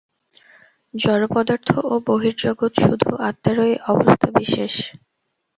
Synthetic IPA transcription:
d͡ʑɔɾopɔd̪aɾt̪ʰooboɦiɾd͡ʑoɡot̪ʃud̪ʱṵʔat̪ːaɾoeʔɔbost̪ʰabiʃeʃ

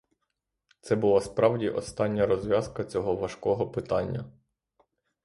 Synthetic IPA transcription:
t̪sɛbʊlˠɑspɾɑwdʲiʔɔst̪ɑnʲːɐɾɔzʲʋʲjɑzkɐt͡sʲɔɦɔʋɐʃkɔɦɔpɪt̪ɑnʲːɐ

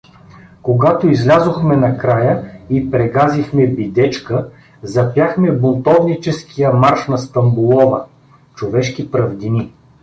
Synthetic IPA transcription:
koɡat̪oizlʲazoxmɛnɐkɾajəipɾɛɡazixmɛbid̪ɛt͡ʃkə | zɐpjaxmɛbolˠt̪ɔvnit͡ʃɛskijəmaɾʃnɐst̪ɐmbulˠɔvə | t͡ʃovɛʃkipɾɐvd̪ini

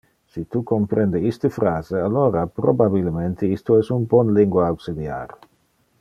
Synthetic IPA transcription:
sit̪ukompɾend̪eist̪əfɾaːzealoɾapɾobabilment̪ʰeist̪oɛsumbɔnliŋɡwaawksid̪ja̰ɾ

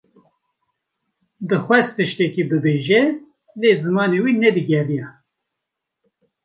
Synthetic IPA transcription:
d̪ɨxwɛst̪ɨʃt̪ɛkibɨbeːʒɛ | leːzɨmɑːnewiːnɛd̪ɨɡʲɛrijɛ

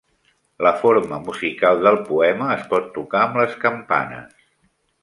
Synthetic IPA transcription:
ləfoɾməmuzikalˠd̪əlˠpuɛməːspɔt̪ːukaəmləskəmpa̰nə̰s

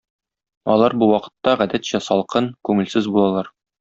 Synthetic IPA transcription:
ɒ̰lˠɑɾbuwɒqɤ̥̆t̪ːɑʁæd̪æt̪ɕæsɒlˠqɤnkʉŋɘ̆lsɘzbulˠɑlˠɑɾ

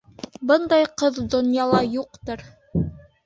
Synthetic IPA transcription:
bɤnd̪ɑjqɤðd̪ŏnjɑlˠɑjuqt̪ɤɾ

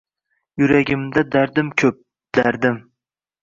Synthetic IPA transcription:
jʊɾaɡʲɪmd̪ad̪aɾd̪ɪmkʲʰɵp̚ | d̪̥aɾd̪ɪm

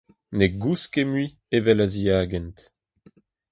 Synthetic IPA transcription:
neɡuskemɥi | evɛlaziaːɡɛnt

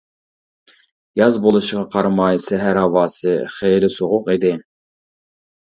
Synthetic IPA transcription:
jɑzbolˠuʃʁɑqʰɑɾmɑjsɛɦæɾɑwɑːsɨχejɾɪsoʁʊqid̪ɪ

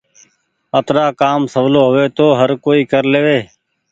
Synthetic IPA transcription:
ət̪ɾaːkaːmsəʋloːɦʊʋeːt̪oːɦəɾkoːiːkəɾleːʋeː

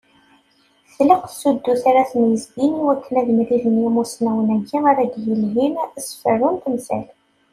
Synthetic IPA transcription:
θləqθsud̪ːuθaɾaθmjəzɡiniwækʰːənæðmɾiðənjimusnæwənæɡiaɾæɡjəlɦimæsə̥fərunt̪əmsæ̰l

